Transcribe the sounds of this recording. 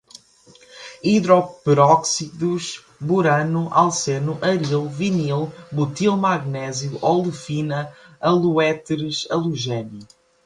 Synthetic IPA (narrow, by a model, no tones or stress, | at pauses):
iðɾɔpɾɔksiðuʃ | buɾɐnuʔa̰lˠsenuʔɐɾilˠvinilˠbut̪ilˠmaɣnɛzjuʔɔlˠufinɐɐlˠuɛt̪ɾɨʃɐlˠuʒɛnu